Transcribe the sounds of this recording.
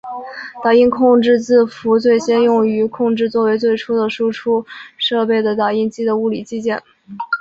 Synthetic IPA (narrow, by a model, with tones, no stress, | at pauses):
t̪a˥˩i˥nkʰʊ˥˧ŋʈ͡ʂɻ̩˥˧t͡sɹ̩˥˩fu˧˥t͡swe˥˩ɪɕjɛ˥njʊ˥˩ŋy˧˥kʰʊ˥˧ŋʈ͡ʂɻ̩˥˧t͡swɔ˥˩we˧˥ɪt͡swe˥˩ɪʈ͡ʂʰu˥d̪ə˨ʂu˥ʈ͡ʂʰu˥ʂɤ˥˧pe˥˩ɪd̪ə˩t̪a˥˩i˥˩nt͡ɕi˥d̪ə˨u˥˩li˨˩t͡ɕi˥t͡ɕjɛ˥˩n